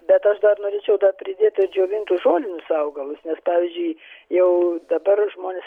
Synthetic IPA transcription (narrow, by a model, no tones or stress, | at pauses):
bʲɛt̪ɐʃd̪ɐrnoːɾʲeːt͡ʃʲɛʊd̪ɐrpʲɾʲɪd̪ʲeːt̪ʲɪɾd͡ʒʲoːʋʲɪnt̪ʊʒoːlʲɪnʲʊsɐʊɡɐlˠʊsnʲɛspɑːʋʲizʲd͡ʒʲʊɪjɛʊd̪ɐbɐrʒmoːnʲeːs